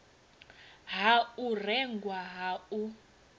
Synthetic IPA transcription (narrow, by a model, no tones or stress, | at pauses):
ɦaurɛŋɡwaɦau